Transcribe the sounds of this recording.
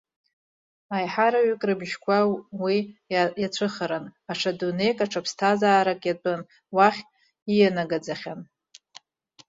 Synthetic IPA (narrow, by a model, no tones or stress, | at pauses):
ajħaɾaɥkʼrɨbʒkʷʰawijat͡ɕʷʰɨχəɾanaʂʰadune̞jkʼaʈ͡ʂʰapʰstʰazaːɾakʼjatʼɨn | waχʲ | ijanaɡad͡zaχʲan